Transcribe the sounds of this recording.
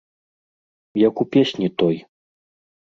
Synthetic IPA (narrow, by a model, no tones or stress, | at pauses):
jakupʲesʲnʲit̪ɔj